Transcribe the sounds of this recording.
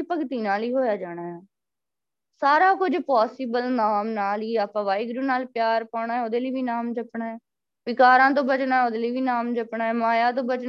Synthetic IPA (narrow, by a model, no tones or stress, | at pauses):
iːpəkt̪iːnaːliːɦoːjaːd͡ʒaːɽ̃aːɛː | saːɾaːkʊd͡ʒpɔːsɪːbəlnaːmnaːliːaːpãːʋaːiɡɾuːnaːlpɪjaːɾpaːɳaːɦɛːoːd̪eːləːʋiːnaːmd͡ʒəpɳaːɛː | ʋɪkaːɾãːt̪̬õːbət͡ʃnaːɛoːd̪eːləiːʋiːnaːmd͡ʒəpɳaːɛːmaːjãːt̪̬õːbət͡ʃ